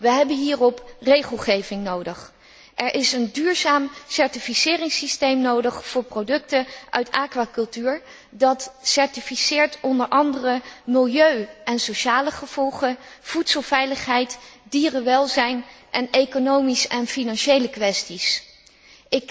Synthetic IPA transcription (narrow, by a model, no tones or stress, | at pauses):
ʋəɦɛbənɦiːrɔprejχəlˠχejvɪŋnowdəχ | ʔɛɹʔɪsəndyːɹzaːmsɛɹtifisɪːrɪŋsistejmnowdəχfʊːɹprowdɵk̚təʔœ̰ɥtaːkʋaːkɵlˠtyːɹ | dɑtsɛɹtifisɪːɹtɔndəɹʔɑndərəmɪlˠjøɥɛnsoʃaːləχəv̥ɔlˠχəv̥utsəlˠvɛjləχɦɛjtdiːrəʋɛlˠzɛjnʔɛnekonowmisɛnfinɑnʃejləkʋɛstis | ɪk